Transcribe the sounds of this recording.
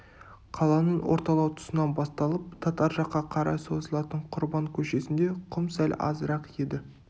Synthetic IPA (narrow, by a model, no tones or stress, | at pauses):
qʰɑlˠɑnəɴwoɾt̪ɑlˠɑwt̪ʰʊ̥sənɑnbɑst̪ɑlˠəp̚t̪ʰɑt̪ɑɾʒɑqːɑqʰɑɾɑ̰so̞zəlˠɑt̪əɴqʰʊɾbɑŋkʲʰɵʃe̞sɪnd̪e̞qʰʊmsælʲɑ̰zəɾɑqje̞d̪ɪ